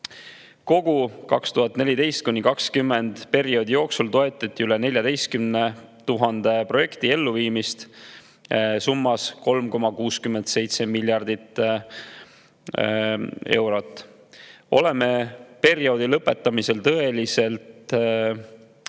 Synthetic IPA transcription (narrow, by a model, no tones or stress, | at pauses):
ko̞ɡ̥ukɑkst̪uɦɑt̪ːˑne̞lʲid̪e̞jst̪̚kunʲːikɑkskymːe̞nd̪̥pe̞ɾio̞ːd̪ijo̞ːksult̪o̞e̞t̪ːˑɑt̪ʲːˑiylene̞lʲjɑd̪e̞jst̪̚kymne | t̪uɦɑnd̪̥e̞pro̞je̞kt̪ie̞lːuviːmist̪ | sumːɑsko̞lmko̞mɑkuːskyme̞nd̪̥se̞jt̪se̞milʲːjɑrd̪̥it̪ | e̞̰wɾo̞t̪ːˑ | o̞̰le̞me̞pe̞ɾio̞d̪ilɤpːˑe̞t̪ːˑɑmise̞lt̪ɤe̞lise̞lt̪